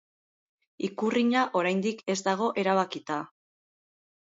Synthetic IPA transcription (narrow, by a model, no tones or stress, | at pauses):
ikuriɲaʔo̞ɾajnd̪ike̞zd̪aɣ̞o̞ʔe̞ɾaβ̞akit̪a